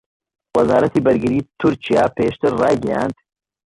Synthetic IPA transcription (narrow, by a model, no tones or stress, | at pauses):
wɐzaːɾɐt̪ibɐɾɡiɾiːt̪ʰʊɾt͡ʃija̰ːpeːʃt̪ʰɨɾːa̰ːɡija̰ːnd̪̥